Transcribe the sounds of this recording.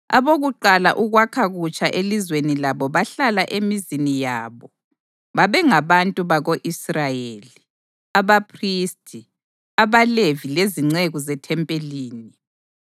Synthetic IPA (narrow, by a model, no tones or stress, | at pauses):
a̰βoɣuǃala̰ʔuɣwakʰaɣut͡ʃʼaʔelizwenilaβɔβaɬalaʔemizinijaːβɔ | βaβɛŋaβantʼuβaɣoʔisrajeli | aβapʰristʰʼi | aβalevileziŋ͡ǀeɣuzɛtʰɛmpʼeliːni